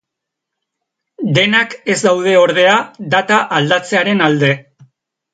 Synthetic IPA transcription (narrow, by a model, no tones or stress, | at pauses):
d̪e̞nake̞zd̪awð̞e̞o̞ɾð̞e̞ad̪at̪aʔald̪at͡se̞aɾe̞nald̪e̞